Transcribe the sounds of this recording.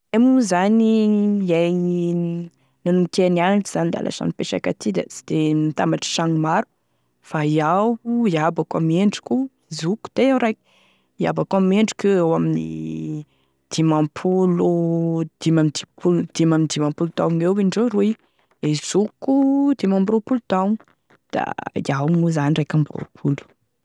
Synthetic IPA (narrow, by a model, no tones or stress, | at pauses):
emuzaniaj | nanumikenianaɳʈ͡ʂiz̥anid̪a̰lʔa̰sa̰nipeʃa̰ka̰t̪ʰid̪a̰i̥d̪̥emit̪ambaʈ͡ʂə̥ʃaŋmaɾu̥ | faiawiabaka̰meɳɖ͡ʐi̥kʲuizuku̥t̪eawɾaj | ia̰bakuameɳɖ͡ʐi̥kuawaminḭ | d̪̥imampʰulud̪̥imamid̪ipuld̪̥imaminid̪imãmpulud̪awŋewviɳɖ͡ʐoɾui | ezukud̪imambɾopulud̪awŋ | d̪̥a̰iawmuzanirajkambɾo̰pʰulu̥